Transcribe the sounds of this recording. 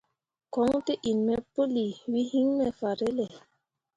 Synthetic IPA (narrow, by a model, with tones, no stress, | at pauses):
kɔ˨˦ŋte˦ʔi˨nmɛ˦po˦li˨wi˦hi˦ŋmɛ˨fa˨ɾe˦lɛ˨